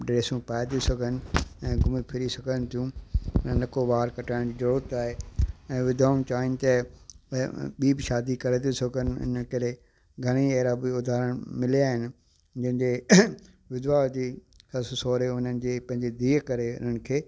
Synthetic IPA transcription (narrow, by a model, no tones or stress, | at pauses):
ɖɾeːsũpaːjd̪isɐɡʱənɪ̆ɛ̃ːɡʱʊmipʰɪɾisɐɡʱənt̪ʰijũlɐkoʋaːɾkɐʈaːɪɽ̃d͡ʑiːd͡ʑɐɽuːt̪aːɦeːɛ̃ːʋɪd̪ʱaːʊñt͡ɕaːɪnɪ̆t̪ɐ | ɓiːbʃaːd̪ikɐɾed̪isɐɡʱənɪ̆ʊ̰n̤ənkɐɾe | ɡʱɐɽ̃ieːɾaːbiʊd̪ʱaːɾəɽ̃mɪliaːɦɪnɪ̆ | d͡ʑɐ̃ɦɪ̃ɲd͡ʑeː | ʋɪd̪ʱʋaːld͡ʑiː | xɐssoːɾeʊn̤ənɪ̆d͡ʑeːpɐ̃ɦɪ̃ɲd͡ʑed̪iːkɐɾeʊ̰nənɪ̆kʰeː